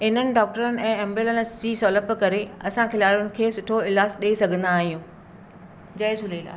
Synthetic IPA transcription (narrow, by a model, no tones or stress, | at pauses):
ɪnənɪ̆ɖɔːk̚ʈəɾənɪ̆ɛ̃ːɛ̃mbilənɪsd͡ʑiːsɔːləpkɐɾeɐsãkʰɪlaːɽjʊnɪ̆kʰeːsʊʈʰoɪlaːsɗeːsɐɡʱə̃nd̪aːɦijũː | d͡ʑɐɪsʊlela̰ː